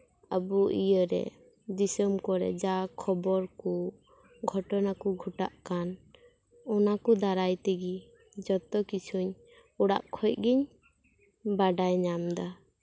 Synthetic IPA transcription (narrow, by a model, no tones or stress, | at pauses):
əbuʔḭjəɾɛ̰ | disəmkɔɾɛ̰d͡ʒakʰɔbɔɾku | ɡʱɔʈɔnakuɡʱɔʈaʔkan | ɔnakud̪aɾajt̪ɛɡi | d͡ʒɔt̪ɔkit͡ʃʰuɲ | ɔɽa̰ʔkʰɔjt̚ɡiɲ | baɖajɲamd̪a